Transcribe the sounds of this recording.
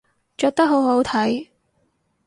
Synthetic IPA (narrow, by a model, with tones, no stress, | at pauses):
t͡ʃœː˧k̚t̪ɐ˥k̚ɦo˨˥wɦo˨˥wt̪ʰɐ˨˥j